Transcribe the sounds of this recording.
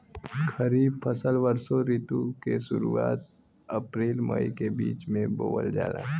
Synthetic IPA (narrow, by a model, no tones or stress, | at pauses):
kɐɾiːbfʰɐsəlʋəɾsoɾiːt̪ukeʃʊɾuaːt̪̚ | ɐpɾeːlməikebiːt͡ʃmẽboːʋə̰ld͡ʒa̰ːlã̰ː